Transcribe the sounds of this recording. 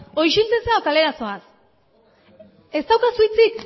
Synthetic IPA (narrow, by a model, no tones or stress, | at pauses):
o̞jʃilt͡seseawkale̞ɾaso̞as | e̞st̪awkasujt͡sik